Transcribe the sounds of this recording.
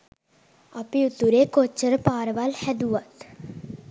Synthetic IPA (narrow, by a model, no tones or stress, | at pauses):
ɐpiut̪ːuɾekot͡ʃəɾpaːɾʋɐlhɛd̪uːɐt̪